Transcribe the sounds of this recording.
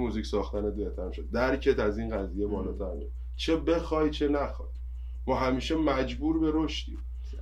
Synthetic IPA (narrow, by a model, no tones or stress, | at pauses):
muzicsɒːxt̪æned̪eht̪ʰænʃod̪̚d̪æɾcʰet̪ʰæziːnɢæziːjebɒːlɒːt̪ʰæɾme | t͡ʃʰe̞be̞xɒːjt͡ʃʰenæxɒj | mɒːɦæmiːʃemæd͡ʒbuːɾbe̞ɾoʃt̪ḭːm